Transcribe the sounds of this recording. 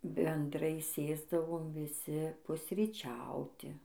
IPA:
bʲɛnˈdrɐɪ ˈsʲeːzdɐʋoːm ʋʲɪˈsʲɪ pʊsʲrʲiːˈt͡ʃʲɛʊtʲɪ

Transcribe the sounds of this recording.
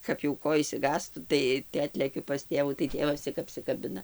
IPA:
kɐp jɛʊ ˈkoː ɪʃʲsʲɪˈɡɑːstʊ ˈtɐɪ tɐɪ ˈɑːtʲlʲɛkʲʊ pɐs ˈtʲeːʋuː tɐɪ ˈtʲeːʋɐs ˈt͡sʲɪk ɐpʲsʲɪkɐˈbʲɪnɐ

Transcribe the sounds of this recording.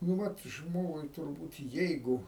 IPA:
nʊ ˈʋɐt ˈʒmoːɡʊɪ tʊrˈbuːt ˈjɛɪɡʊ

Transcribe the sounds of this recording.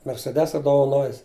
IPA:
mʲɛrʲsʲɛˈdʲæːsɐ doːʋɐˈnoːjɪs

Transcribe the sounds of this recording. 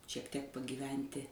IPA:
ʃʲiɛk tʲiɛk pɐɡʲiːˈʋʲɛnʲtʲɪ

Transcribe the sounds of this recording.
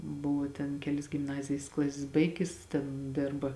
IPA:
ˈbʊʋoː tʲɛn ˈkʲæːlʲɪs ɡʲɪmˈnɑːzʲɪjɪs ˈklˠɑːsʲɪs ˈbɐɪɡʲɪs ˈtʲɛn ˈdʲeːrbɐ

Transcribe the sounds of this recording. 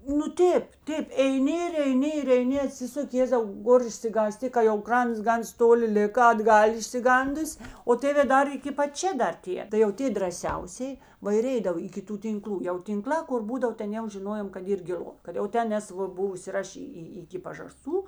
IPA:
nʊ ˈtʲeːp ˈtʲeːp ɛɪˈnʲɪ ɪr ɛɪˈnʲɪ ɪr ɛɪˈnʲɪ ɐˈtʲsʲɪsʊkʲɪ ˈjeːzɐʊ ˈɡoːr ɪʃʲsʲɪɡɑːˈsʲtʲɪ kɐ jɛʊ ˈkrɐnts ˈɡɐns ˈtoːˌlʲɪ ˈlʲɪkɐ ɐdˈɡɐlʲ ɪʃʲsʲɪˈɡɐndʊsʲ oː ˈtʲeːʋʲeː ˈdɐr ɪkʲɪ pɐt ˈt͡ʃʲɛ ˈdɐr ˈtʲiɛ tɐɪ jɛʊ ˈtʲeː drɐˈsʲɛʊsʲeːj ˈʋɐ ɪr ˈɛɪdɐw ɪkʲɪ ˈtuː tʲɪŋˈklˠuː jɛʊ tʲɪŋˈklˠɑː kʊr ˈbuːdɐw ˈtʲɛn jɛʊ ʒʲɪˈnoːjoːm kɐt ˈiːr ɡʲɪˈlˠʊ kɐt jɛʊ ˈtʲɛn ˈnʲɛs ˈʋɐ ˈbʊʋʊs ɪr ˈɐʃ iː iː ˈɪkʲɪ pɐʒɐˈstuː

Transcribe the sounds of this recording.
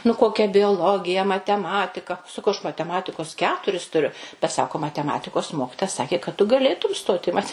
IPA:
nʊ ˈkoːkʲɛ bʲoːˈlˠoːɡʲɪjɛ mɐtʲɛˈmɑːtʲɪkɐ sɐˈkɐʊ ɐʃ mɐtʲɛˈmɑːtʲɪkoːs ˈkʲæːtʊrʲɪs tʊˈrʲʊ bʲɛt ˈsɑːkoː mɐtʲɛˈmɑːtʲɪkoːs ˈmoːkʲɪtoːjɛ ˈsɑːkʲeː kɐt tʊ ɡɐˈlʲeːtʊm ˈstoːt ɪ ˈmɑːtʲɛ

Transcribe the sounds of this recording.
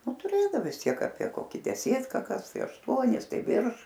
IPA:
ˈnʊ tʊˈrʲeːdɐw ʋʲɪs ˈtʲiɛk ɐpʲiɛ ˈkoːkʲɪ dʲɛˈsʲeːtkɐ ˈkɐs ˈtɐɪ ɐʃˈtuɔnʲɪs ˈtɐɪ ˈʋʲɪrʃ

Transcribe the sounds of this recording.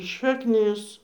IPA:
ʃɐkˈnʲɪs

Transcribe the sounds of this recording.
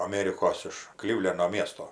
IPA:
ɐˈmʲeːrʲɪkoːs ɪʃ ˈklʲɪwlʲɛnoː ˈmʲiɛstoː

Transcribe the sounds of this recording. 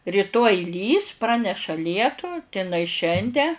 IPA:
rʲiːˈtoːj ˈlʲiːs ˈprɑːnʲɛʃɐ ˈlʲiɛtʊ tʲɪ ɪnɐɪ ˈʃʲɛnʲdʲɛ

